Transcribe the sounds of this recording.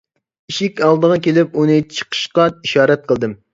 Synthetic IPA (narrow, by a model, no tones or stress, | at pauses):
iʃikʲɑlˠd̪əʁɑkʲelɪp̚unɨt͡ʃʰə̥qʰə̥ʃqɑiʃɑːɾɛt̪̚qʰəlˠd̪ɨm